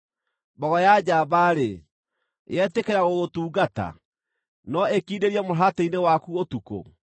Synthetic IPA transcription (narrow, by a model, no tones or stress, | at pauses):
bɔɣɔjad͡ʑabaɾe | eɛtekeɾaɣoɣotuːɡata̰ | nɔekiːdeɾiɛmoɦateinewakuotuko̰